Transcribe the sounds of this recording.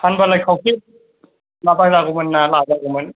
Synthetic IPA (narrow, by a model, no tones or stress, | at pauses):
pʰanbalajkʰawkʰit̚ | naːbazakumɯnːaːlaːzakumɯn